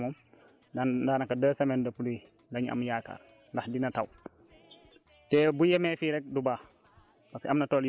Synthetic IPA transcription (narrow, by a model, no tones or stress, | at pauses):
mɔm | dandaːnɐkɐdəːsɐmɛndəpului | dɐɲʔɐ̰mjaːka̰ːr | ndɐxdinɐtɐw | tɛːbujɛmɛːfiɾɛk̚dubaː | pɐskɐmnɐtɔːl